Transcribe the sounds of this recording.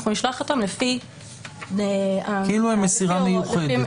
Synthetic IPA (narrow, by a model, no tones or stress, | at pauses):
χnuniʃlaχot̪amlefi | eakeiluemesiʁamejuχed